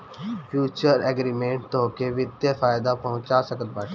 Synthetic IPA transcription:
fʰjuːt͡ʃəɾɛɡɾiːmẽːɳʈt̪oːkeʋɪd̪jefaːjɪd̪apɐɦʊ̃t͡ʃasəkət̪̚baʈ

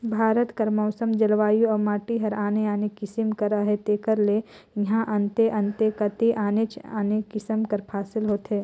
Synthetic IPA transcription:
bʱaːɾət̪kɐɾmɔːsəmd͡ʒɐlʋaːjuɔːmaːʈiɦɐɾaːneaːnekɪsəmkəɾəɦet̪eːkəɾle | jɐɦãʔɐnt̪eʔɐnt̪ekɐt̪iʔaːnet͡ʃaːnekɪsəmkəɾpʰaːsɪlɦoːt̪ɦeː

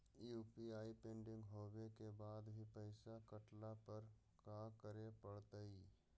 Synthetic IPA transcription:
juːpiaːipẽːɳɖɪ̃ŋɡɦoːbekebaːd̪bʱipəɪsakəʈlapəɾ | kaːkəɾepəɽt̪əi

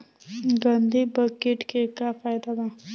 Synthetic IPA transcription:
ɡənd̪ʱibəkeʈkekafʰajd̪ad̪a

